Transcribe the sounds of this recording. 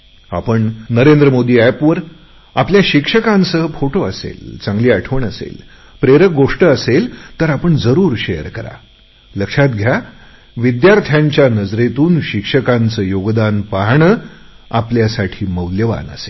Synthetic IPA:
a̰pəɳnəɾend̪ɾəmod̪iːæpʋəɾ | apljaɕikʂəkãnt͡səːfoʈoəsḛlt͡sãŋɡliːaʈʰəʋɳəsḛl | pɾeɾək̚ɡoʂʈəəselt̪əɾapəɳd͡zəɾuːɾɕejəɾkəɾa̰ | ləkʂat̪ɡʱja | ʋid̪jaɾt̪ʰjaɲt͡ɕjanəd͡zɾet̪uːnɕikʂəkãnt͡səjoɡd̪anpaɦɳəː | apljasaʈʰiːməwljəʋa̰nə̰sel

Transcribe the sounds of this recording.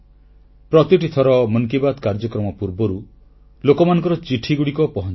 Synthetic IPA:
pɾɔt̪iʈit̪ʰɔɾɔməŋkibad̪kaɾd͡ʒɔkɾɔmɔpuɾbɔɾu | lokɔmanɔ̃ŋkɔɾɔt͡ʃiʈʰiɡuɽikɔpɔɦɔn

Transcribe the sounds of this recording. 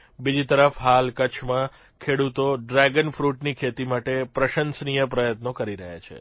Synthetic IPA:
bid͡ʒit̪əɾəfɦalkət͡ʃʰmã | kʰeɽut̪oɖɾaɡənfɾuʈnikʰet̪imaʈepɾəʃənsnijəpɾəjət̪nokəɾiɾəɦa̰t͡ʃʰḛ

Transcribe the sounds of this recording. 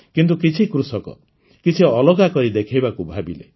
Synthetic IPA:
kint̪̬ukit͡ʃʰikɾusɔkɔ̰ | kit͡ʃʰiɔlɔɡakɔɾid̪ekʰajbakubʱabilḛ

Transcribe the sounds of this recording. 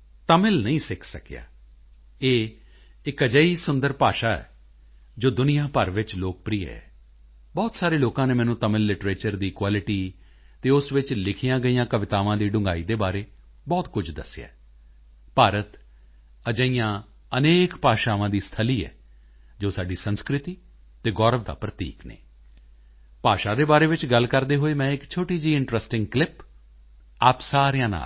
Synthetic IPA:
t̪əmɪlnəĩːsɪkʰsəkja̰ː | eː | ɪkəd͡ʒəːiːsʊnd̪əɾpaːʃaːɛ̰ː | d͡ʒoːd̪ʊnɪjãːpəɾʋɪt͡ʃloːk̚pɾiːḛɛ̰ː | bɔːt̪saːɾeːloːkãːnẽːmɛːnũːt̪əmɪlːɪʈɾeːt͡ʃəɾd̪iːkwaːlɪʈiː | t̪eːʊsʋɪt͡ʃlɪkʰijãːɡəijãːkəʋɪt̪aːʋãːd̪iːɖʊ̃ŋɡaːiːd̪eːbaːɾeː | bɔːt̪kʊd͡ʒd̪əsɪja̰ː | paːɾət̪ | əd͡ʒəijãː | əneːkpaːʃaːʋãːd̪iːst̪ʰəliːɛ̰ː | d͡ʒoːsaːɖiːsənskɾɪt̪iː | t̪eːɡɔːɾəʋd̪a̰ːpɾət̪ḭːknḛ̃ː | paːʃaːd̪eːbaːɾeːʋɪt͡ʃɡəlkəɾd̪eːɦoːeːmɛ̃ːɪkt͡ʃʰoːʈiːd͡ʒiːɪɳʈɾəsʈɪ̃ŋɡklɪp | aːpsaːɾɪjãːna̰ːl

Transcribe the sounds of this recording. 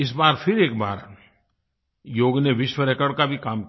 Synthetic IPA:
ɪs̬baːɾpʰɪɾeːk̚ba̰ːɾ | joːɡneʋɪʃwəɾekəɽkabʱikaːmk

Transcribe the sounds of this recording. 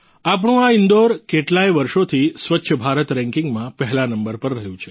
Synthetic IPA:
ap̬ɳ̃ũaind̪oɾkeʈlajʋəɾʃot̪ʰisʋətːʃʰəbʱaɾət̪ɾɛ̃ŋkɪŋɡmãpəɦlanəmbəɾpəɾːəɦjũt͡ʃʰe

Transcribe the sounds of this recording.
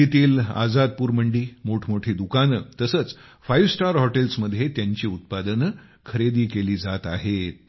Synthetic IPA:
it̪iːla̰d͡zad̪̚puːɾməɳɖiːmoʈʰmoʈʰiːd̪ukanət̪əsəːt͡sfajʋsʈaɾɦɔʈelsməd̪ʱjet̪jaɲt͡ɕiːut̪̚pad̪ənkʰəɾed̪iːkeliːd͡zat̪aɦet̪̚

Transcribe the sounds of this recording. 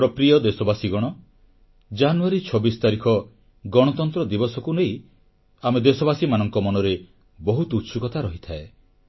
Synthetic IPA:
pɾɔpɾijɔd̪esɔbasiɡɔɽ̃ɔ | d͡ʒanuaɾit͡ʃʰɔbist̪aɾikʰɔ | ɡɔɽ̃ɔt̪ɔnt̪ɾɔd̪ibɔsɔkuneij | amed̪esɔbasimanɔŋkɔmɔnɔɾe | bɔɦut̪ut̪sukɔt̪ʰaɾɔɦit̪ʰae

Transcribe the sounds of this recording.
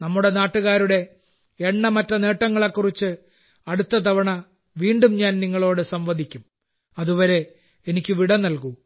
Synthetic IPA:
nɐmːuɽe̞naːʈːuɣaːɾuɽe̞ | eɳːɐmɐtːɐne̞ːʈːɐŋːɐɭekːurit͡ɕːɨ | ɐɽut̪ːɐt̪̬ɐʋɐɳɐ | ʋiːɳɖumɲaːnniŋːɐɭo̞ːɽɨsɐmʋɐd̪ʱikʲːum | ɐðuʋɐɾe̞ | enikʲːɨʋiɽɐnɐlku

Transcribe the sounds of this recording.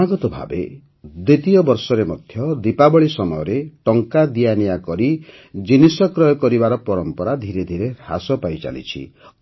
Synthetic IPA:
aɡɔt̪ɔbʱa̰bḛ | d̪it̪ijɔbɔɾsɔɾemɔd̪ʱjɔd̪ipabɔɭisɔmɔjɔɾeʈɔŋkad̪ijanijakɔɾi | d͡ʒinisɔkɾɔjɔkɔɾibaɾɔpɔɾɔmpɔɾad̪ʱiɾed̪ʱiɾeasɔpajt͡ʃa̰lḭt͡ʃʰḭ

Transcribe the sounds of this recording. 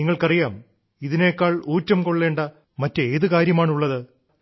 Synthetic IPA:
iŋːɐɭkɐrijaːm | iðine̞ːkːaːɭuːtːɐmko̞ɭːe̞ːɳɖɐ | mɐtːɨeːðɨkaːɾjɐmaːɳuɭːɐðɨ

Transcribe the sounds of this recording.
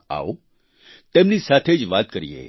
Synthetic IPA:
a̰o | t̪emnisat̪ʰed͡ʒʋaːt̪̚kəɾijḛ

